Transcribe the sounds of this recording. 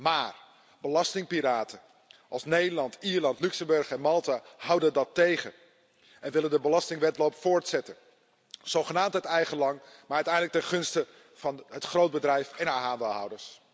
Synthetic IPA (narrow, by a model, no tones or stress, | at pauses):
maːr | bəlɑstɪŋpiɾaːtʰən | ʔɑlˠsnejdəlɑntiːɹlɑntlyksəmbɵɹχɛnmɑlˠtaɦʌwdəndɑtejχə | ɛnʋɪləndəbəlɑstɪŋʋɛtlowpfoːɹtsɛtə | z̥owχənaːmtɦətɛjχəlɑŋmaɹœɥtɛjndələktəχɵnstə | v̥ɑnɦətχrowd̚bədrɛjfɛnɦaːɹɦaːndəlˠɦʌ̰wdəɹs